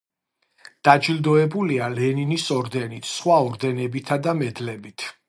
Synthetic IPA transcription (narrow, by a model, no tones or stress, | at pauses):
d̪̥ad͡ʒilˠd̪ɔɛbulialɛninisɔɾd̪ɛnit̪ʰsχwaɔɾd̪ɛnɛbit̪ʰad̪amɛd̪lɛbit̪ʰ